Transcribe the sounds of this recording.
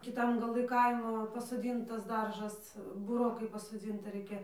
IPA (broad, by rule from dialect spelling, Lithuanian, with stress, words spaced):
kʲɪˈtɐm ɡɐˈlˠɨ ˈkɐɪmoː pɐsoːˈdʲiːntɐs ˈdɐrʒɐs bʊˈroːkɐɪ pɐsoːˈd͡zʲɪntɐ ˈrɐɪkʲɛ